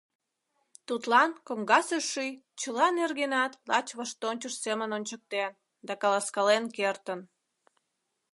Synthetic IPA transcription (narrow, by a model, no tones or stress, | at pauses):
t̪ut̪lɑnkomɡɑseʃːyjt͡ɕəlɑnerɣenɑt̪lɑt͡ɕβəʃt̪onʲt͡ɕəʃsemənonʲt͡ɕək̚t̪en | d̪ɑkɑlɑskɑlenkert̪ən